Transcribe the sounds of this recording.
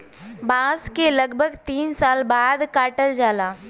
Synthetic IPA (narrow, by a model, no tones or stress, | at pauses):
bãːskelɐɡbʱəɡt̪iːnsaːlbaːd̪kaːʈəɾd͡ʒaːlaː